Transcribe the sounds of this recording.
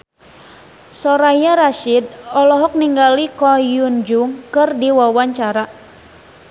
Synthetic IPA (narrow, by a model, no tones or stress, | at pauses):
sɔɾajaɾaʃid̚ɔlɔɦɔk̚niŋɡalikɔjund͡ʒuŋkɨrdiwawaɲt͡ʃaɾa